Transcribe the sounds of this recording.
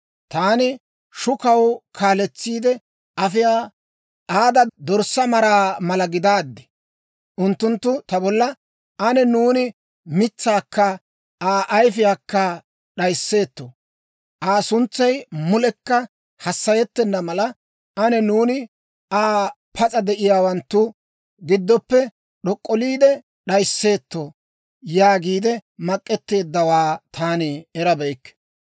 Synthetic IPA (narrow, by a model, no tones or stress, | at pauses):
t̪aːnɪ | ʃʊkɐwkʰaːlɛt͡sːiːd̪ɛ | ʔɐfɪjaː | ʔaːd̪ɐd̪ɔɾsɐmɐɾaːmɐlɐɡɪd̪aːd̪ːɛ̥ | ʔʊnt̪ːʊnt̪ːʊt̪ɐbɔlːɐ | ɐnɛnuːnɪ | mɪt͡sːaːkːɐ | aːʔɐjfɪjaːkːɐ | ɗɐjsːe̞ːt̪ːo | ʔaːsʊnt͡sːɐjmʊlɛkːɐ | hɐsːɐjɛt̪ːɛnːɐmɐlɐ | ʔɐnɛnuːnɪ | aː | pʰɐt͡sʼɐd̪ɛʔɪjaːwɐnt̪ːʊ | ɡɪd̪ːɔpːɛ | ɗɔkʼːɔliːd̪ɛ | ɗɐjsːe̞ːt̪ːo | jaːɡiːd̪ɛmɐkʼːɛt̪ːe̞ːd̪ːɐwaːt̪ʰaːnɪɛɾɐbɛjkːɛ̥